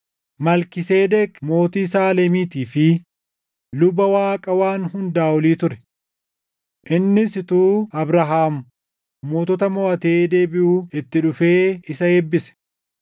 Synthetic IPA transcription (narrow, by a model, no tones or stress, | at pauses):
mɐlkɪseːd̪ɛkmo̞ːt̪iːsaːleːmiːt̪iːfɪ | lʊbɐwaːkʼɐwaːnhʊnd̪aːwɔliːt̪ʊɾɛ̥ | ʔɪnːɪsɪt̪uːɐbɾɐɦaːmʊː | oːt̪ɔt̪ɐmɔɐt̪eːd̪e̞ːbɪʔuːɪt̪ːɪᶑʊfe̞ːɪsɐebːɪsɛ̥